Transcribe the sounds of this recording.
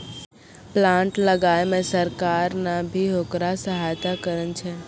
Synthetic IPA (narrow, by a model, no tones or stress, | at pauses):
plãɳʈləɡajmẽsəɾkaɾnabʱiɦokɾasəɦaːjt̪akəɾənt͡ʃʰe